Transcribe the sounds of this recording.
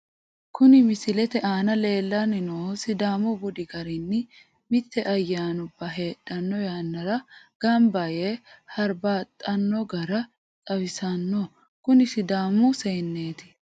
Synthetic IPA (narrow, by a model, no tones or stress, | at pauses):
kʊnɪmɪsɪlɛt̪ɛʔaːnɐle̞ːlːɐnɪnoːsɪd̪aːmɔɡɔd̪ɪɡɐɾɪnːɪ | mɪt̪ːɛʔɐjːaːnʊbːɐɦe̞ːɗɐnːɔjaːnːɐɾɐɡ̥ɐmbɐjeːhɐɾbaːt̪ʼːɐnːɔɡɐɾɐ | t͡sʼɐwɪsɐnːɔ | kʊnɪsɪd̪aːmʊseːnːe̞ːt̪ɪ̥